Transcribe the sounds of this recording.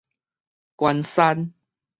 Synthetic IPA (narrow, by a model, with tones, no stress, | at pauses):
kwa˧nsa˦n